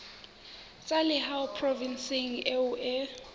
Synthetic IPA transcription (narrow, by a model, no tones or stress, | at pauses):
t͡sʼalɛhawpʰrɔvinsiŋɛuʔɛ